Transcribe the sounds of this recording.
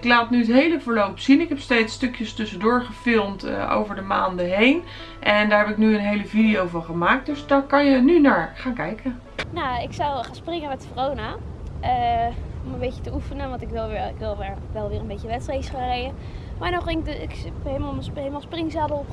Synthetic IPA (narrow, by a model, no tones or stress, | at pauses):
ɪklaːtnyətɦejləvəːɹlowpsinɪkɦɛpstejtstɵkjəstɵsədʊːɹχəfɪlˠmtʔo̰wvəɹdəmaːndəɦejn | ʔɛndaːɹɦɛpɪknyənɦejləvidijowvɑnχəmaːk̚døsdɑkɑnjənynaːɹχaːnkɛjkə | naɪksɑwχaːnsprɪŋəmɛtfrownaəɔmənbejcətəufənəʋɑntɪkʋɪlˠɪkʋɪlˠʋɪɹʋɛlˠʋɪːrənbecəʋɛtstrejsχarejə | maːɹnɔɪŋɪk | ɦelmaemalˠsprɪŋzaːbəlp